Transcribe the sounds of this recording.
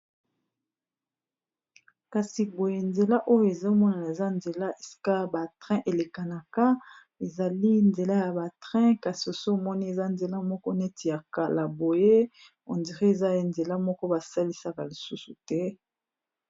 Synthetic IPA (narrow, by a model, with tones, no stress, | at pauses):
ka˨si˨bo˨je˨nze˨la˦ʔo˦jo˦e˨zo˦mɔ˦na˨na˨e˨za˦nze˨la˦e˨si̥˦ka˦ba˨tʁɛ̃˦ʔe˨le˨ka˨na˨ka˦ | e˨za˨li˦nze˨la˦ja˨ba˨tʁɛ̃˦ka˨si˨o˨so˦˨mɔ˦ni˦e˨za˦nze˨la˦mɔ˦kɔ˦ne˦ti˨ja˨ka˨la˨bo˨je˦ | o˨ndi˨ʁi˦e˨za˦˨nze˨la˦mɔ˦kɔ˦ba˨sa˦li˦sa˦ka˨li˨su˦su˨tɛ˦